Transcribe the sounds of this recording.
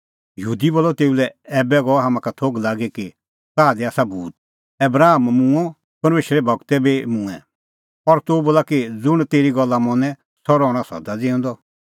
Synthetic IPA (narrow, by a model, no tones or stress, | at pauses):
jɦuːd̪iboːlːɔt̪eːulɛɛːbɛɡɔɦaːmãkat̪ʰoɡlaːɡeki | saːd̪iaːsabuːt̪̚ | ɛbɾaːmmũɔ̃ | pɐɾmeːʃɾɛbʱɔɡt̪ɛbemũɛ̰̃ | ɔɾt̪oboːlakid͡zʊɽ̃t̪eːɾiɡɔlːamɔ̃nɛ̃ | sɔɾɔːɽ̃asɔ̰d̪ad͡zɪ̃ʊ̃ːnd̪ɔ